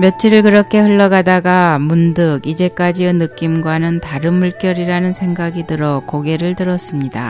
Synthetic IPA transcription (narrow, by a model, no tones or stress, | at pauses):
mjʌt͡ɕʰiɾɯɭkɯɾʌkʰe̞hɯɭːʌɡadaɡamundɯɡid͡ʑe̞k͈ad͡ʑiɯnɯk͈imɡwanɯntaɾɯnmuɭk͈jʌɾiɾanɯnsʰe̞ŋɡaɡidɯɾʌkoɡe̞ɾɯɭtɯɾʌs͈ɯmɲida̰